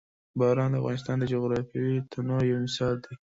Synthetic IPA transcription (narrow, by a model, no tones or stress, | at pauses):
bɑɾɑnd̪əa̰vɣɑ̰nɪst̪ɑnd̪əd͡ʒoɣɾɑfjawit̪ʰanojawmɪsɑld̪e